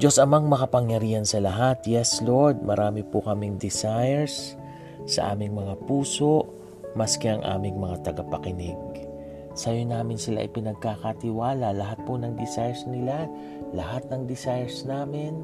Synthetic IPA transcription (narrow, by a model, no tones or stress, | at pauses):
d͡ʒosʔɐmaŋmɐkɐpɐŋjɐɾiːhɐnsɐlɐɦat̪jɛsloɹd̪̚mɐɾʔaːmɪpokɐmɪŋd̪ɪsajɛɹsː | ɐ̰ʔa̰ːmɪŋmɐŋapuːso̞ʔ | mɐskɛɐŋʔa̰ːmɪŋmɐŋat̪ɐɡapɐkɪnɪɡ̚ | sɐjonaːmɪnsɪla̰ʔɪpɪnɐɡ̚kakat̪ɪwaːlɐlɐɦat̪̚ponɐŋd̪ɪsajɛɹsnɪla | lɐɦat̪̚nɐŋd̪ɪsajɛɹsnaːmɪn